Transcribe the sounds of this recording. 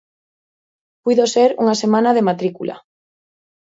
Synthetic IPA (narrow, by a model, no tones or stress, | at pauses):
pujðoseɾṵŋasemãnaðemat̪ɾikṵlʔa̰